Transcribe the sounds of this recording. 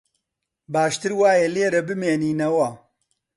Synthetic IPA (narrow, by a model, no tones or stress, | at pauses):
baːʃt̪ɨɾwaːjɛleːɾɐbɨmeːniːnɐwɐ